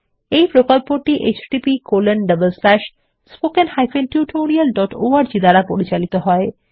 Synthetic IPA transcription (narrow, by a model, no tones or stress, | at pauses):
ejpɾokolpoʈːiʔet͡ɕɖipikolənɖəbəlslɛʃ | spokenhajfenʈjuʈʰoɾiəlɖɔʈo̰aɾd͡ʑid̪aɾapoɾit͡ɕalit̪oɦɔe